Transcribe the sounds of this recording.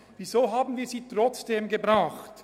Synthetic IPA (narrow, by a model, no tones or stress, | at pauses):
vizoːɦaːbn̩viːɐziːtʁ̥ɔt͡sd̥eːmɡəbʁaʊχt